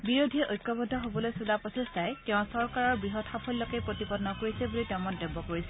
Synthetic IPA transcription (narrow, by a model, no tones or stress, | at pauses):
biɹodʱiʔojkːɔbɔdʱːɔɦobɔlojsulapɹɔsestajkɛʊ̃sɔɹkaɹɔɹbɹiɦɔtxapʰɔlːɔkepɹotipɔdnɔkoɹisɛbulitɛʊ̃mɔndɔbɔkoɹisɛ